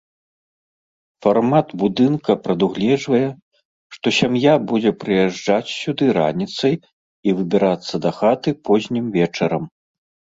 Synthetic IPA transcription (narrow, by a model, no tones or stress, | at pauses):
farmat̪bud̪ɨnkɐpɾɐd̪uɣlʲɛd͡ʐvɐjɛ | ʂt̪ɔsʲamjabud͡zʲɛpɾɨjɛʐd͡ʐat͡sʲsʲud̪ɨɾa̰nʲit̪sɐj | ivɨbʲiɾat̪sːɐd̪ɐxat̪ɨpɔzʲnʲimvʲɛt͡ʂɐɾɐm